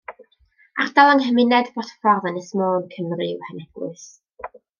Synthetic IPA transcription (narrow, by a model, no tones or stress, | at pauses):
ardalˠəŋhəmɪnɛdbɔtə̥fɔrðanɪsmoːnkʰəmrɨwhɛnɛɡ̥wʊ̰s